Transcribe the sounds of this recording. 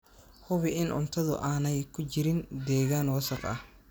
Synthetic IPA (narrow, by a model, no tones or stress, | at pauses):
hʊβɪʔɪnʔʊ̰nt̪ʰɐðʊ̰ʔaːnɛjkʰʊt͡ʃɪɾɪnd̪ɛːɣaːnwɑsɐqɐ̰h